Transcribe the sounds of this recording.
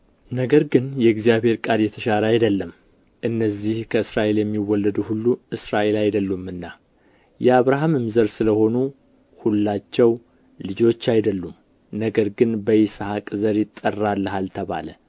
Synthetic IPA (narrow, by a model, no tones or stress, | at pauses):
nəɡəɾɡɨnjɛɨɡzijaβhe̞ɾkʼaljɛt̪ʰəʃaɾəajd̪əlːəm | ʔɨnːəzːihkʰəɨsɾaʔe̞ljɛmːiwːɔlːəd̪uhulːuɨsɾaʔe̞lajd̪əlːumːɨnːa | jɛaβɾaɦamɨmzəɾsɨləho̞nu | hulːat͡ʃːɛw | lɨd͡ʒo̞t͡ʃːajd̪əlːum | nəɡəɾɡɨnbəjɪsahakʼzəɾjɪt̪ʼːərːalːəɦalt̪ʰəβa̰lə